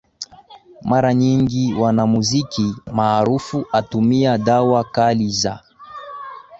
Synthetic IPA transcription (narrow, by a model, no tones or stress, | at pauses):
maɾaɲiŋɡiwanamuzikimaːɾufuʔatumiaɗawakaliza̰